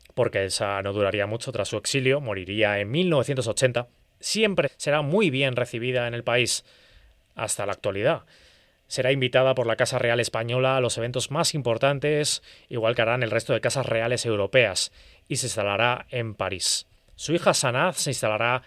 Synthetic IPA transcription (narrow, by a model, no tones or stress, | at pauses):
po̞ɾke̞esano̞ðuɾaɾiamut͡ʃo̞t̪ɾasːue̞ksiljo̞mo̞ɾiɾiae̞nmilno̞βθjent̪o̞so̞t͡ʃe̞nt̪a | sje̞mpɾe̞se̞ɾamujβ̞je̞nre̞θiβ̞iðae̞ne̞lpais | a̰st̪alaːk̚t̪walið̞a | se̞ɾaimbit̪að̞apo̞ɾlakasare̞ale̞spaɲo̞lalo̞seβe̞nt̪o̞zmasimpo̞ɾt̪ant̪e̞siɣwalkeaɾanelre̞st̪oðe̞kasasre̞ale̞se̞wɾo̞pe̞as | ise̞ĩnst̪alaɾae̞mpaɾisː | uixasanaθse̞inst̪alaɾa